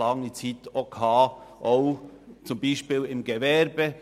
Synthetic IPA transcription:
ɑŋit͡sit̪okʰɑːʔoʊt͡sʊmbiːʃpiːlɪmɡ̥evɛɾb̥ə

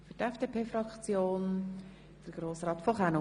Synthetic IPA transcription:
ffyɾtɛfd̥eːpʰeːfɾɑkt͡sjoːn | d̥əɾɡ̥ɾoːsɾɑːtfɔχano

